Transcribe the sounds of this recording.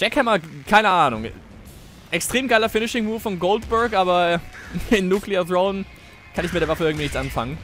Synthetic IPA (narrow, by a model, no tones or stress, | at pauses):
d͡ʒ̥ɛkhɛmakʰaɪnəʔaːnʊ̰ŋ | ʔɛkstʁ̥eːmɡ̥aɪlɐfɪnɪʃɪŋmuːffɔnɡoʊltb̥ɛɐkʔaːbɐ | ɪnːuːkliaθɹoʊn | kʰanɪçmɪt̚deɐvafəʔɪɐɡŋ̩tvinɪçtʔanfa̰ŋən